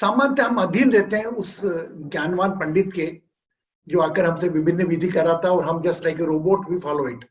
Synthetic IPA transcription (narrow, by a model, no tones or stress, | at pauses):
saːmãnt̪ɦɐmɐd̪ʱiːnɾɛɦt̪eɦɛ̃ʊsɡjaːnʋaːnpɐ̃ɳɖɪt̪ke | d͡ʒoːaːkəɾɦɐmseʋɪbʱɪnːəʋɪd̪ʱikɐɾat̪ʰaɔːɾɦɐmd͡ʒɐsʈlaɪkeɾoːboːʈbʱifɔːloːɪʈ